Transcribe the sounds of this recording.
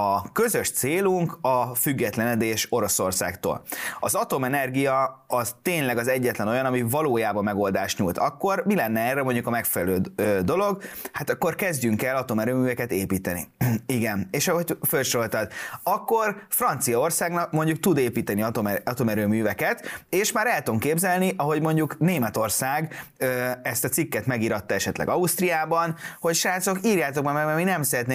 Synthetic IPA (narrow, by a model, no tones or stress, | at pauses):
ɒkø̞zø̞ʃt̪seːluŋkɒfyɡːɛt̪lɛnɛd̪eːʃo̞ɾo̞so̞rsa̰ːkt̪o̰ːlɒzɒt̪o̞mɛnɛrɡijɒɒzt̪eːɲlɛɡɒzɛɟːɛt̪lɛno̞jɒnɒmivɒloːjaːbɒmːɛɡo̞ld̪aːʃt̪ɲuːlt̪ʰɒkːo̞rmilɛnːɛɛːrːɛmo̞ɲɟukɒmɛkfɛlɛløːøːd̪o̞lo̞ɡhat̪ɒkːo̞rkɛzɟyŋkɛlːɒt̪o̞mɛɾøːmyːvɛkɛt̪eːpiːt̪ɛnḭiɡɛneːʃɒɦoɟfølʃɾo̞lt̪ɒd̪ɒkːo̞rfrɒnt̪sijɒo̞rsaːɡnɒk̚mo̞ɲɟuk̚t̪ud̪eːpiːt̪ɛniɒt̪omɛɒt̪o̞mɛɾøːmyːvɛkɛt̪eːʃmaːɾɛlt̪oŋkeːbzɛlniʔɒɦo̞ɟmo̞ɲɟukneːmɛt̪o̞rsaːɡøɛst̪ɒt̪sikːɛt̪mɛɡiːɾɒt̪ːɒɛʃɛt̪lɛ̰ɡɒust̪rijaːbɒnho̞cʃaːt̪so̞kiːrjaːt̪o̞k̚bɛmɛɾbɛminɛmsɛɾɛt̪ne